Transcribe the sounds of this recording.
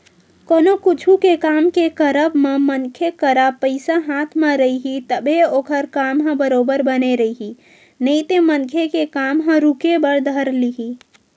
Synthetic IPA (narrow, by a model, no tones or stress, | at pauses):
konokut͡ʃʰukekamkekəɾəbmemənkʰekəɾapəɪsaɦat̪ʰmaɾəiɦit̪əbʱɦeoːkʰəɾkamɦə̃bəɾobəɾbəneɾəiɦi | nəit̪emənkʰekekamɦə̃ɾukebəɾd̪ʱəɾliɦi